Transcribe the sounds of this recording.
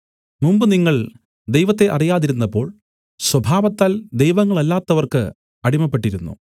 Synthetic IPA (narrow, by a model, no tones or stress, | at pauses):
mumbɨniŋːɐɭ | d̪ejʋɐt̪ːe̞ʔɐrijaːðiɾunːɐpːo̞ːɭ | swɐbʱaːʋɐt̪ːaːld̪ejʋɐŋːɐɭɐlːaːt̪ːɐʋɐrkɨ | ɐɽimɐpːe̞ʈːiɾunːṵ